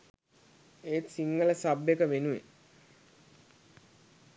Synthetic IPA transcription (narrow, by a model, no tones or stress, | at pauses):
eːt̪siŋɡələsabːekəʋenuwe